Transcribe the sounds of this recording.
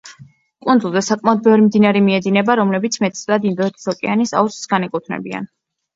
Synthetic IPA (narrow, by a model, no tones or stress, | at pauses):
kʼund̪zulˠd̪asakʼmaɔd̪̚bɛvɾimd̪inaɾimiɛd̪inɛbaɾɔmlɛbit̪sʰmɛt̪slad̪ind̪ɔɛt̪ʰi̥sɔkʼɛanisa̰ust̪ʼsɡanɛkʼut̪ʰnɛ̰bia̰n